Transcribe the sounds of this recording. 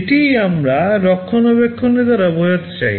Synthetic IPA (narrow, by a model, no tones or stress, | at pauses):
ʈiamɾaɾɔkʰːonɔbekʰːonːed̪aɾabojot̪t͡ɕa̰j